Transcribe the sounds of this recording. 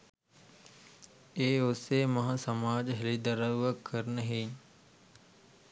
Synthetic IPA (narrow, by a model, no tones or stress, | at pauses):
eːʊsemɐɦãsəmaːd͡ʒɦɪlid̪əɾəʋəkːəɾnəɦeː